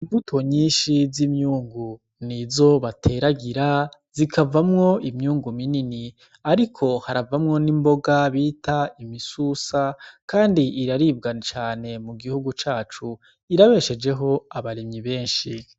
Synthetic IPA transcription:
iɱvutʰo̞ɲiːnʃizimɲuːŋɡu | nizo̞βatʰe̞ɾaɡiɾaz̥ikʰavamŋo̞imɲuːŋɡuminini | aɾikʰo̞haɾavamŋo̞nimbo̞ɡaβiːtʰaimisusakaːndiːɾaɾiːb̚ɡat͡ʃaːne̞muɡihuɡut͡ʃaːt͡ʃu | iɾaβe̞ʃe̞d͡ʒe̞ɦo̞aβaɾimɲiβe̞ːnʃi

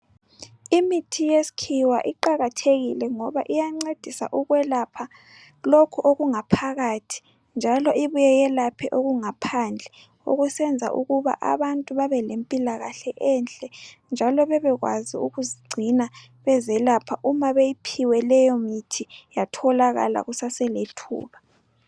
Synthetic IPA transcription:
imitʰijesi̥kʰiwa̰ʔiǃaɣatʰeɣilɛŋɔβaʔijaŋ͡ǀed̥ʱisa̰ʔuɣwɛlapʰa | lokʰuʔoɣuŋapʰaɣatʰi̥ | nd͡ʒʱalɔiβujɛjɛlapʰɛʔoɣuŋapʰand͡ɮʱɛ | o̰ɣusɛnd͡zʱa̰ʔṵɣuβa̰ʔa̰βantʼuβaβɛlempʼilaɣaɬɛʔɛnt͡ɬʼɛnd͡ʒʱalɔβɛβɛɣwa̰ziuɣuziɡ͡ǀʱina | βɛzɛlapʰaʔumaβejipʰiwɛlɛjɔmitʰijatʰɔlaɣa̰la̰ɣusasɛletʰṵːβa

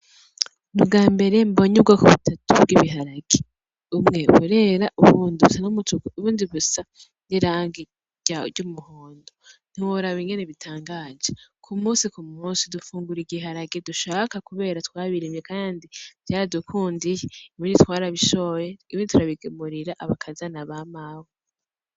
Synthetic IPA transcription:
nub̚ɡaːmbe̞ɾe̞mbo̞ɲub̚ɡakuβutʰatub̚ɡiβiɦaɾaɡ̥e | umŋe̞βuɾe̞ɾaʔuβuːndiβusanumutukuβuːndiβusa | niɾaːŋɡi | ɟaɟumuhoːndon̥iwoɾaβiŋɡeneβitʰaːŋɡaːd͡ʒekʰumuːsikumuːnsidufuːŋɡuɾiɡiɦaɾaɡeduʃaːkakuβe̞ːɾatwaːβiɾimjekaːndiv̥jaːɾadukʰuːndijeiβiːnitwaːɾaβiʃojeiβiːnditʰuɾaβiɡemuɾiɾaʔaβakʰazanaβamawo

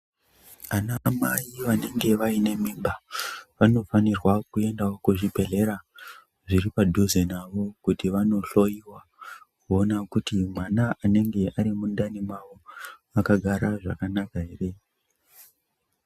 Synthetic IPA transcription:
anamaiʋane̞ŋɡe̞ʋaine̞mimbaʋano̞fanirwakue̞ndaokuʐipe̞ɮe̞ɾa | ʐiɾipadʱozenaʋo̞kutiʋano̞ɬo̞jiwa | kuo̞nakutimwanaʔːne̞ŋɡe̞aɾimundanimaʋo̞akaɡʱaɾaʐa̰kanakaɦe̞re̞

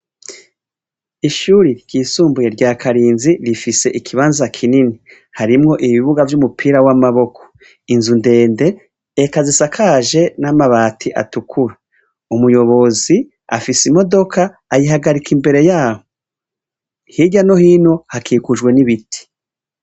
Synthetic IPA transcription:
iʃuɾiɾɟ̥iːsuːmbuje̞ɾɟaːkʰaɾiːnziɾifise̞ʔikʰiβaːnzakʰinini | haɾimŋo̞ʔiβiβuɡavjumupʰiːɾawamaβo̞kʰo̥ | inzunde̞ːnde̞ː | kazisakʰaːʒe̞namaβaːtʰiʔa̰tukʰuɾa | umujo̞βo̞zi | a̰fisimo̞do̞kʰaː | jiɦaɡaɾikʰimbe̞ɾe̞jaːho | hiɟano̞hiːno̞hakʰiːkuʒɡwe̞niβitʰi̥

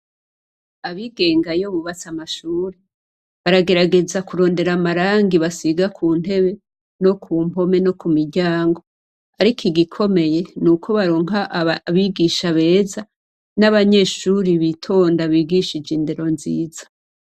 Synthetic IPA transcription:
aβiɡe̞ːŋɡajoβuβat͡samaʃuːɾi | βaɾaɡe̞ɾaɡe̞zakuɾo̞ːnde̞ɾamaɾaːŋɡiβasiɡakʰuːn̥he̞βe̞ | no̞kʰuːmbo̞me̞no̞kumiɾɟaːŋɡo̞ | aɾikʰiɡikʰo̞me̞je̞nukʰo̞βaɾo̞ːŋɦaʔβiɡiːʃaβe̞ːza | naβaɲe̞ːʃuɾiβitʰo̞ːndaβiːɡiʃid͡ʒinde̞ɾo̞nzḭːzḁ

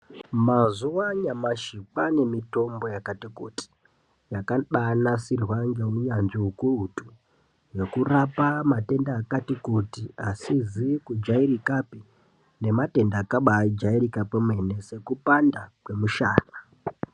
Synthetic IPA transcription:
mazuwaɲamaʃipane̞mito̞mbo̞jakatikuti̥ | jakaɗanasirwaŋɡe̞uɲanʐiukuutu | je̞kurapamate̞ndaːkatikutiasizikud͡ʒairikapi | ne̞mate̞ndaːkaɓad͡ʒairikapemwe̞ne̞se̞kupandakwe̞muʃaːna

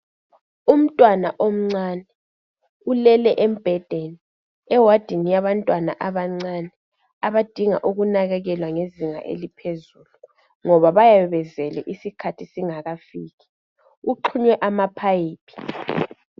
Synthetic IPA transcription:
um̩tʼwanaʔom̩ŋ͡ǀanɛ | ulɛlɛʔem̩b̥ʱɛd̥ʱeni | ɛwad̥ʱiŋijaβantʼwanaʔaβaŋ͡ǀanɛ | aβad̥ʱiŋa̰ʔuɣunaɣɛɣɛlwaŋeziŋa̰ʔḛlipʰezulu | ŋɔβaβajaɛβɛzɛlɛ̰ʔisikʰatʰisiŋaɣafiːɣi̥ | uǃʰuɲwɛʔamapʰajiːpʰʼi̥

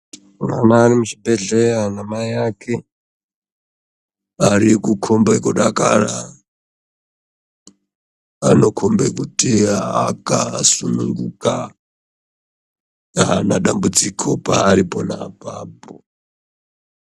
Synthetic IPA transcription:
na̰naːɾimut͡ʃibʱeɮeɾanamaijakʰe | aɾikukʰombekuɗakara | ano̞kʰombekutiakasunuŋɡuka | anaɗambud͡zikʰopaːɾiponapaːpo

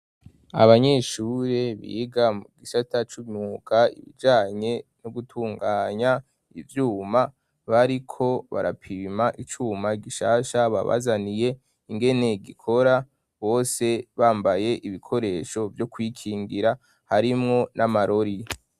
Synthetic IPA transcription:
a̰βaɲeʃuːɾeβḭɡamuɡisatat͡ʃumɲukʰaḭβḭd͡ʒaːɲe̞noɡutʰuːŋɡaːɲa | ivjuːma | βaɾikʰo̞βa̰ɾa̰pʰimaʔit͡ʃuːmaɡiʃaːʃaβa̰βa̰zanije̞ | iŋɡe̞ne̞ɡikʰo̞ɾa | βo̞ːse̞βaːmbaje̞ʔiβikʰo̞ɾe̞ʃo̞vjo̞kwiːkʰiːŋɡiɾa | haɾimŋo̞nʔamaɾo̞ɾi

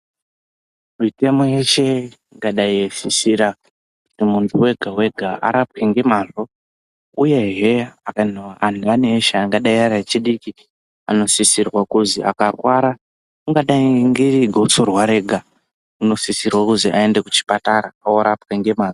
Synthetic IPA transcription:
mite̞mo̞jeʃe̞ | ŋɡaɗaiesisiɾa | ku̥timuntʰuwe̞ɡʱawe̞ɡʱaʔa̰ɾap̚keŋɡe̞maːzo | uje̞ɦeakanowaʔananieʃeːŋɡaɗaiaɾat͡ʃiɗiki | a̰no̞sisirwakuzia̰karwaɾa | uŋɡaɗaiŋɡiriɡʱot͡sorwaɾe̞ɡʱa | uno̞sisirwakuziʔa̰endekut͡ʃi̥pataɾaaoɾapkeŋɡe̞maːzo

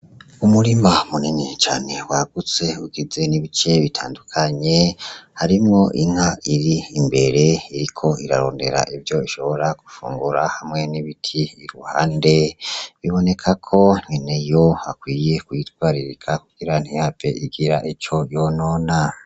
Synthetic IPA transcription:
umuɾimamuninit͡ʃa̰ːne̞waɡ̥ut͡se̞uɡize̞niβit͡ʃe̞βitʰaːndukʰaɲe̞haɾimŋo̞ʔiŋ̥haʔiɾiːmbe̞ɾe̞iɾikʰo̞iɾaɾo̞̰ːnde̞̰ɾa̰ʔivjo̞iʃo̞βo̞ɾakufṵːŋɡuɾahamŋe̞niβitʰiːɾuha̰ːnde̞βiβo̞ne̞kʰakʰo̞n̥inejoakwiːje̞kujitwaːɾiɾikʰakuɡ̥iɾan̥hihaːpḛʔiɡiɾaʔit͡ʃo̞jono̞ːna

